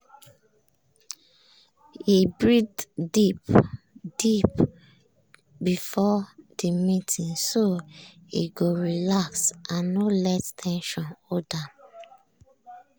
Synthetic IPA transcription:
ibɹiddip | d̥ip | bifɔd̥imitĩnso | ḭɡoɹilaksʔãnːolɛttʰɛ̃nʃɔ̃nɔda

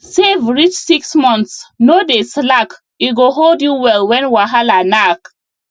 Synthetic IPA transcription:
sevɹit͡ʃsiksmɔ̃nsnodeslak | iɡoɦoldjuwɛlwɛ̃nwaɦalanak

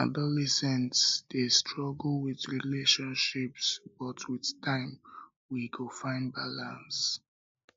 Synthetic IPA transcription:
adɔlɛsɛ̃ntsdestʰɹɔɡl̩wɪðɹileʃɔ̃nʃipsb̥ʌtʰwiðtʰãɪ̃m | wikʰofãɪ̃nbalãns

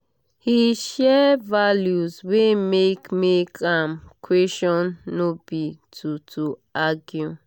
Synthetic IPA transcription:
hiʃɛvaljuzwemekmekʰãmkʰwesɔ̃nːobitʰutʰuaɡju

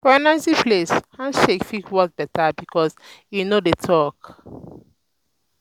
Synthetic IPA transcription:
fɔnaɪzĩpleskʰãnʃekfikwɔk̚bɛtabikʰɔzjunodetʰɔk

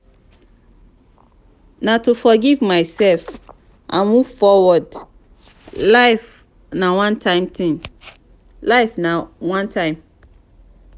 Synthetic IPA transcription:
natufɔɡivmaɪsɛlf | ʔãnmuv̥fɔwɔd | laɪf | nawãntʰãɪ̃mtĩn | laɪfnawãntʰãɪ̃m

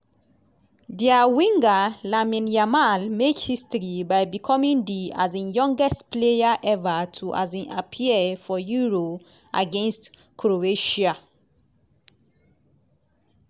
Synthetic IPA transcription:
diawĩŋɡalamĩnjamalmekhistɹibaɪbikʰɔmĩŋdia̰zẽnjɔ̃ŋɡɛstplejaʔɛvatʰuʔa̰zẽnʔa̰pʰiəfɔjuɹo | ʔa̰ɡɛ̃nst | kʰɹoeʃa

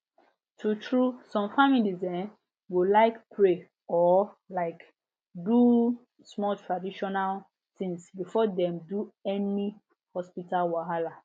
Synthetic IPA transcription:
tʰutʰɹusɔ̃mfamilizdɛ̃n | wilaɪkpʰɹe | ɔlaɪk | du | smɔtʰɹadiʃɔnal | tĩŋsbifɔdɛ̃mduɛni | hɔspitalwaɦala

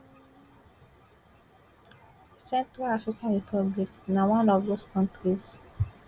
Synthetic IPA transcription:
sɛ̃ntɾalafɹikʰãnɹipʰɔbliknawãnɔvdoskʰɔ̃ntɾis

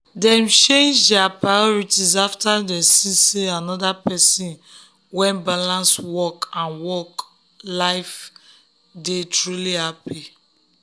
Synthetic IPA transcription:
dɛ̃mt͡ʃẽnd͡ʒdɛapɹajɔɹitizaftadɛ̃siseanɔdapɛsĩn | wɛ̃nbalãnswɔkãnwɔk | laɪf | detɹulihapi

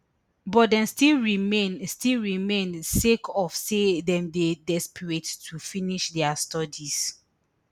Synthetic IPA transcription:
bɔtdɛ̃nstilɹimenstilɹimẽnsekʰɔfsedɛ̃mdedɛspəɹettʰufiniʃdɛastɔdis

